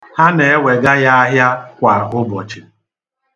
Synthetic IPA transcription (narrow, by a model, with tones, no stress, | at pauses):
ha˦ne˨e˦we˨ɡa˦ja˦a˦ɦja˦kʷa˨ɦʊ˦bɔ˨t͡ʃi˨